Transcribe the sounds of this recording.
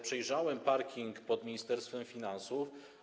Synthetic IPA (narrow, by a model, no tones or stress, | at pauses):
pʂɛjʐawɛmpaɾkʲiŋkpɔd̪mʲiɲist̪ɛɾst̪fɛmfʲinansuf